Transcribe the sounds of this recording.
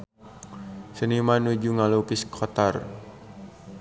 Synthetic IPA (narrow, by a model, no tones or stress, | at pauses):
sənimanud͡ʒuŋalupiskʰɔt̪ar